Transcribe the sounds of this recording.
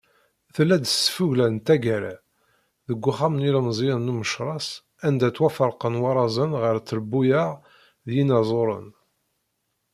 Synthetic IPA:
θəlːæd̪əsfuʝlænt̪æɡæɾæ̰ | ðəɡʷːʊχæmnilmzˤiənːuməʃɾˤɑs | ænd̪æt͡sːwæfəɾˤqənwɑɾˤɑzˤənʁəɾt͡sːəɾəbːujəʁ | ðjinɑzˤoɾˤə̰n

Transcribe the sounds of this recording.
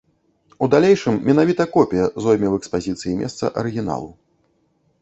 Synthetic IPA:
ud̪alʲejʂɨmːʲɛn̪avʲit̪ɐkɔpʲijɐzɔjmʲɛwɛkspazʲit̪sɨjimʲʔɛ̰st̪sɐ̰ʔɐɾɨɣʲina̰lˠu

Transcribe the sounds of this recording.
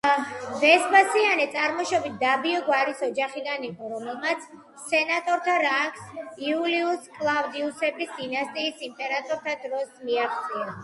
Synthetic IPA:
vɛsbasianɛt̪sʼaɾmɔʃɔbit̪̚ʰd̪abiɔɡwaɾisɔd͡ʒaχid̪aniqʼɔɾɔmɛlˠmat̪sʰ | sɛnat̪ʼɔɾt̪ʰaɾakʰsiuliuskʼlˠavd̪iusɛbisd̪inast̪ʼiːsimpʼɛɾat̪ʼɔɾt̪ʰad̪ɾɔsmiaχt̪sʼia

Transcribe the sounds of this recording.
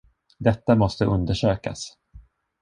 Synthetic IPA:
d̪ɛt̪ːamɔst̪əʔɵnd̪əʂøːka̰s

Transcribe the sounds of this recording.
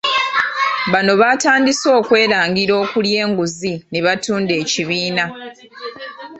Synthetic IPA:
βano̞βataːndiso̞ːkwe̞ːɾaːŋɡiɾo̞ːkulje̞ːŋɡuzineβatuːnde̞ːciβiːna

